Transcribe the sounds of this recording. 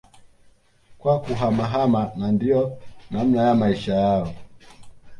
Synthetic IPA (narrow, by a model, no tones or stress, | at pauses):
kwakuɦamaɦamanandiɔnam̩najamaiʃajaɔ